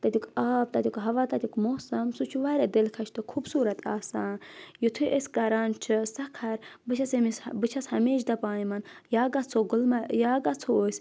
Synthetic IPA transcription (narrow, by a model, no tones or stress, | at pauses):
t̪ɐd̪ʲukaːp̚t̪ɐd̪ʲukɦɐʋaːt̪ɐd̪ʲukmoːsɐmsut͡ʃʰuʋaːɾʲɐd̪ilkʰɐʃʰt̪ɨkʰubsuːɾɐt̪ʰa̰ːsaːnjut̪ʰuʔesʲkɐɾaːnt͡ʃʰɨsɐkʰɐɾbɨt͡ʃʰɐsemisbɨt͡ʃʰɐshɐmeːʃd̪ɐpaːjimɐnjaːɡat͡sʰoɡulmajaːɡat͡sʰooːsʲ